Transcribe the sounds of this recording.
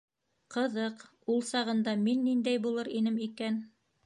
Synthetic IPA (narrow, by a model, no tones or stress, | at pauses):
qɤ̆ðɤq | ulˠsɑʁɤ̆nd̪ɑminːind̪æjbulˠɤɾinɘmikæn